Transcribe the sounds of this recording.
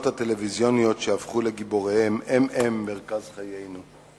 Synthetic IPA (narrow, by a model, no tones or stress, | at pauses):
ot̪hat̪elevizjonijo̞tʃeafχuleɡiboʁehemememːe̞ʁkazχajejnu